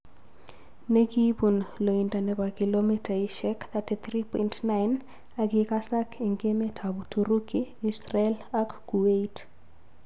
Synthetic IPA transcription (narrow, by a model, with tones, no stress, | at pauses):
ne˦ki˦pu˨nlo˨i˨nda˨nɛ˨pa˨ki˨lomi˦ta˨iʃɛkt̪ati˨t̪ɾi˦pɔintna˦ɪn | a˨ɡɪka˦sa˦kʰe˨ŋɡe˦me˦tʰabu˨tʰu˨ɾu˦kiisrɛlakːu˨we˦it